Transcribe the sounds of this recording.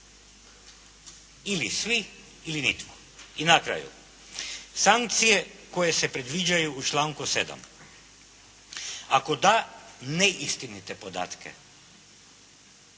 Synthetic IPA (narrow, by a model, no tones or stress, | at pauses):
ilisʋi | ilinit̪ko̥ | inakɾa̰ːjṵ | saŋkt̪sije̞ko̞jesepɾed̪ʋid͡ʒajuːt͡ʃlˠaːŋkused̪a̰m | akod̪aneʔist̪init̪epo̞d̪a̰ːt̪kʰḛ